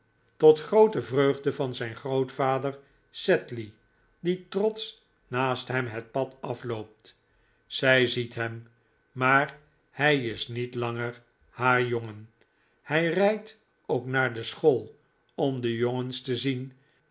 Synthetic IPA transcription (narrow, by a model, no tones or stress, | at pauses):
tɔtχrowtəvrøɥχdəvɑnzɛjnχrowtfaːdəɹ | sɛtli | ditrɔts | naːstɦɛmɦɛt̚pɑtɑflowp̚t | sɛjzitɦɛm | maːɹ | hɛjɪsnitlɑŋəɹ | haːɹjoŋən | hɛjrɛjt | owknaːɹdəsχolˠ | ɔmdəjoŋənstəzin